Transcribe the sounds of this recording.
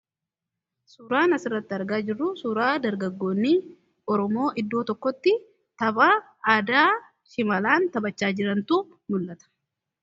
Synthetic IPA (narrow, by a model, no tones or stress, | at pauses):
suɾaːnɐsɪrːɐt̪ːɪɐɾɡaːd͡ʒɪrːʊsuːɾaːd̪ɐɾɡɐɡːo̞ːnːiː | ɔɾɔmo̞ːʔɪd̪ːo̞ːt̪ɔkːɔt̪ːɪ | t̪ɐbaː | aːd̪aː | ʃɪmɐlaːnt̪ɐbɐt͡ʃːaːd͡ʒɪɾɐnt̪uː | mʊlːɐt̪ɐ̥